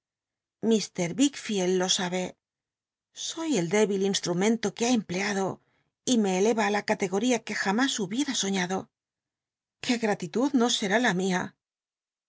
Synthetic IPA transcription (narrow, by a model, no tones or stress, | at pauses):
mist̪e̞ɾβikfjelːo̞saβe̞ | so̞je̞ld̪e̞βilinst̪ɾumẽ̞nt̪o̞keaemple̞aðo̞ | ime̞ːle̞βaːlakat̪e̞ɣo̞ɾiake̞xamasuβje̞ɾaso̞ɲaðo̞ | ke̞ɣɾat̪it̪uðno̞se̞ɾalamia